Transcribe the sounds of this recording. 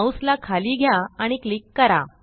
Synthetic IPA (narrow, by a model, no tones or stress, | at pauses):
wslakʰaliːɡʱjaaɽ̃iklikːəɾa̰